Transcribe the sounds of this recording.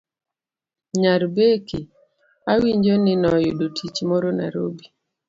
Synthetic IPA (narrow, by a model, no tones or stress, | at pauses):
ɲaɾbeki | awiɲd͡ʒonɪnɔjo̰dotʰit͡ʃmɔɾona̰ɾo̰bi